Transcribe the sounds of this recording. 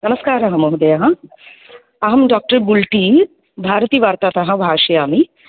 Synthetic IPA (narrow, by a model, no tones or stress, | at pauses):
nɐməskaːɾɐɦɐ̃moɦud̪ɐjaɦɐ̃ | ɐɦɐmɖaːk̚ʈəɾbulʈi | bʱaːɾt̪iːʋaːɾt̪aːt̪ɐɦɐ̃bʱaːʃɐjaːmi